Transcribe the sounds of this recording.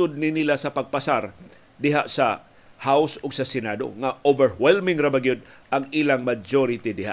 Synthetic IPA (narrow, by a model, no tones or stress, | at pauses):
ʊd̪̚nɪnilasɐpɐɡ̚pɐsaɾ | d̪ɪɦaʔsɐ | hawsʊɡsɐsɛnad̪o̰ŋaʔovɛɹwɛlmɪŋɾɐbaɡjʊd̪̚ɐŋʔilaŋmad͡ʒoɾɪt̪ɪd̪ɪha̰